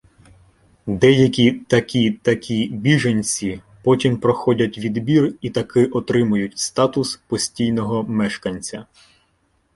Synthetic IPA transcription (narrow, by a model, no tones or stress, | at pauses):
d̪ɛjɐkʲit̪ɐkʲit̪ɐkʲibʲiʒɐnʲt͡sʲi | pɔtʲimpɾɔxɔdʲɐtʲʋʲid̪bʲirit̪ɐkɪʔɔt̪ɾɪmʊjʊtʲst̪ɑt̪ʊspɔsʲtʲijnɔɦɔmɛʃkɐnʲt͡sʲɐ